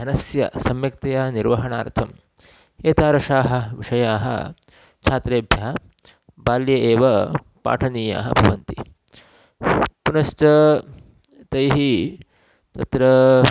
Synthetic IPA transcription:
ɐnɐsjɐ̰sɐmjɐk̚t̪ɐjaːniɾʋɐɦɐɳaːɾt̪ʰɐm | eːt̪aːɾɐʂaːɦɐ̆ʋiʂɐjaːɦɐ̰ | t͡ʃʰaːt̪ɾeːbʱjɐɐ | baːljɐʔeːʋɐ | pa̰ːʈʰɐniːja̰ːɦɐ̰bʱɐʋɐnt̪i | punɐʃt͡ʃɐ | t̪ɐjɦi | t̪ɐt̪ɾɐ

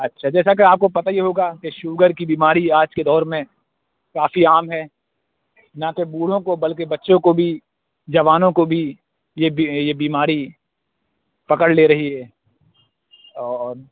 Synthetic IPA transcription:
ɐtːʃʰad͡ʒɛːsakeaːp̚kopɐt̪ajeɦoːɡakeʃuːɡəɾkibiːmaːɾiaːd͡ʒked̪ɔːɾmẽ | kaːfiaːmɦɛː | nɐkebuːɽ̤õkobɐlkebɐtːʃõkobʱi | d͡ʒɐʋaːnõkobʱi | jebjebiːmaːɾi | pɐkəɽleɾɐɦiɦɛː | ɔːɾ

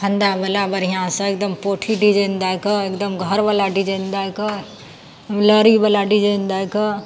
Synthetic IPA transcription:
kʰənd̪abəlabəɾijãsə̃ek̚d̪əmpoʈʰiɖid͡ʒend̪ajkəekd̪əmɡʱəɾbəlaɖid͡ʒend̪ajkə | mləɾibəlaɖid͡ʒend̪ajkə

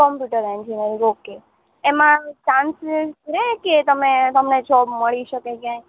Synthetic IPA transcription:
kɔmpjuʈəɾẽnd͡ʒinəɾioke | emãt͡ʃãnsɾɛɦket̪əmet̪əmned͡ʒɔbməɭiʃəkekjãĩ

